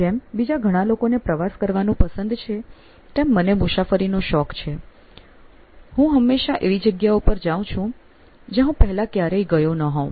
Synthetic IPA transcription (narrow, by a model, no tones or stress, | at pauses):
d͡ʒembid͡ʒaɡʱəɽ̃ãlokonepɾəʋaskəɾʋanũpəsənd̪t͡ʃʰe | t̪emːənemusafəɾinoʃɔkt͡ʃʰe | hũɦəmːeʃaʔeʋid͡ʒəɡjaupəɾd͡ʒaʋũt͡ʃʰũ | d͡ʒeɦũpəɦɛlakjaɾəiɡəjonəɦɔ̃